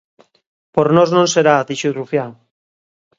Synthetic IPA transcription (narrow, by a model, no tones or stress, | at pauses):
poɾnoznõŋseɾaðiʃurufjaŋ